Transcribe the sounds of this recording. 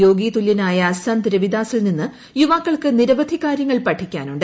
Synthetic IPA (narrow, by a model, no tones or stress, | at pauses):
jo̞ːɡiːt̪ulːjɐnaːjɐːsaːnd̪iɾɐʋid̪aːsilninːɨ | juʋaːkːɐɭkɨniɾɐʋɐd̪ʱikːaːɾjɐŋːɐɭpɐʈʰːikʲːaːnuɳɖɨ